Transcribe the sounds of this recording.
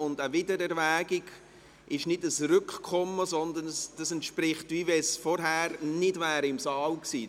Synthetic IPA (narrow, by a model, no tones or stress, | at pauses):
ʊndəvɪdəɾɛɾvæːɡɪɡ | ɪʃnɪdəsrʏkkʰɔməsɔnd̪ənsd̥ɑsɛntʃpɾɪχtiːvɛsfɔɾɦæːɾnɪdvæːɾɪmsɑːlksiː